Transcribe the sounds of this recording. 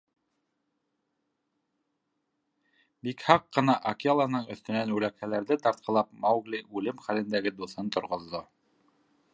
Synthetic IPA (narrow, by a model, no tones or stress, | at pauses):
bikhɑqːɤ̆nɑʔɐkialˠɑnɤɴɵ̆θt̪ɵ̆nænbʉlækhælæɾðɘt̪ɑɾt̪̚qʰɑ̆lˠɑp̚mɑwɡlʲiʔʉlɘmχælɘ̆nd̪æɡɘd̪uθɤnt̪ŏɾʁŏðːo